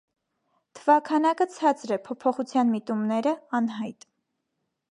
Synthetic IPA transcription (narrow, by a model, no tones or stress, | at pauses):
t̪ʰəvɑkʰɑnɑkət͡sʰɑt͡sɾɛpʰɔpʰɔχut͡sʰjɑnmit̪umnɛɾəɑnɦɑjt̪